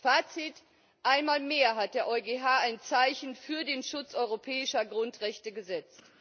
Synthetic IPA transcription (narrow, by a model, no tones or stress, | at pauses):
faːt͡sit | ʔaɪnmaːlmeːɐɦat̚d̥eːɐʔɔʏɡeɦaːaɪnt͡saɪçn̩fyːɐdeːnʃʊt͡sʔɔʏʁopʰɛːɪʃɐɡʁʊntʁ̥ɛçtəɡəzɛt͡st